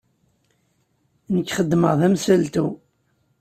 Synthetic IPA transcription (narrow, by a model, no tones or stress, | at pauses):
nəkːχəd̪ːməʁðæmsælt̪u